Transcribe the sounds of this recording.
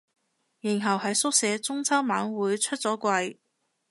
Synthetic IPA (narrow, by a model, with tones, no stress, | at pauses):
ji˨˩ŋɦɐ˨˩whɐ˨jsʊ˥k̚sɛː˨˧˥t͡sʊ˥ŋt͡sʰɐ˥wmaː˨˥nwuː˨˥jt͡ʃʰɵ˥t̚t͡sɔː˨˥kʷɐ˧j